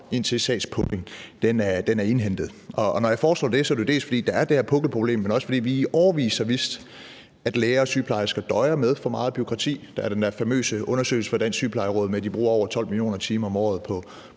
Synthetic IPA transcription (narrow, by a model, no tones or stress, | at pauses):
e̝n̰t͡sʰe̝lsɛ̰ːspʰɔɡ̥e̝ŋd̥enæɐd̥enæɐe̝nɦend̥ð̞̩ˠʔɒ̽ːnɒjɑ̈ɪfɒːslɔ̰ːd̥e̝sɒ̽ædɾuod̥e̝̰ːlsfɒd̥ḭːd̥ɑ̈æɐd̥e̝heɐpʰɔ̽ɡ̥l̩pʰʁo̝b̥le̝̰ːmːenɒ̽səfɒdḭːʋiɒʊɐʋḭːsɐʋisd̥ | æd̥leːɐːsyːpʰlɑ̈ɪɐsɡ̥æd̥ɒ̽ɪɐmeð̞ˠfɒ̽mɑ̈ːð̩ˠb̥yo̝kʰʁɑ̈t͡sʰḭːd̥ɑæɐd̥end̥æɐfæmø̰ːsəʔɔ̽nɐsø̰ːɪl̩səfɒ̽d̥ænsyːpʰlɑ̈ɪʁɔð̞̩ˠmed̥ib̥ʁṵːɐɒ̰ʊɐt͡sʰɒ̽l̰milijo̝̰ːnɐt͡sʰiːmɐɒ̽mɒ̰ːð̞̩ˠpʰɒ̽